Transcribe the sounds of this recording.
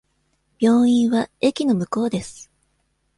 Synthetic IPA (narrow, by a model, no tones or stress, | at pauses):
b̥ʲjo̞ːĩɰ̃βae̞kʲino̞mɯ̟ko̞ːd̪e̞sɨ̥